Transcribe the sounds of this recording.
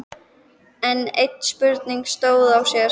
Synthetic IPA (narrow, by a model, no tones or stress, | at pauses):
ɛnejt̪̚spʏɾt̪niŋkst̪oːwðawsjɛɾ